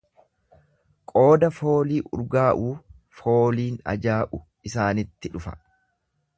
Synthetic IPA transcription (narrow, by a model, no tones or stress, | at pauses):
kʼo̞ːd̪ɐfo̞ːliːʔʊ̰ɾɡaːʔuː | fo̞ːliːnɐ̰d͡ʒaːʔʊ | ɪsaːnɪt̪ːɪᶑʊfɐ̥̰